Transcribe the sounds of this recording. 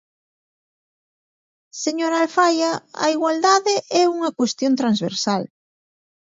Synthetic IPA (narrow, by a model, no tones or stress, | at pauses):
seɲoɾalfajaa̰iɣwald̪aðeʔɛuŋakwest̪jont̪ɾanzβ̞ḛɾsal